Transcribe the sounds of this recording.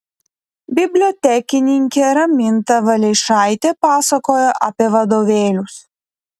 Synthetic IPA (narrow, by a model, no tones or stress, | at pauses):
bʲɪbʲlʲot̪ʲɛkʲɪnʲɪŋʲkʲeɾɐmʲɪnt̪ɐʋɐlʲɛɪʃɑˑɪt̪ʲepɑːsɐkoːjoʔɐpʲiɛʋɐd̪oːʋʲeːlʲʊs